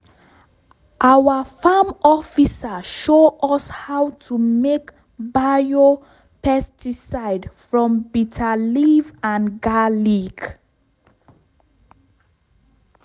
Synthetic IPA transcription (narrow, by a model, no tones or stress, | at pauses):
ʔawəfamɔfisaʃoʔɔshawtʰumek | bao | pɛstisaɪdfɹɔ̃mbitʰalivãnɡaliɡ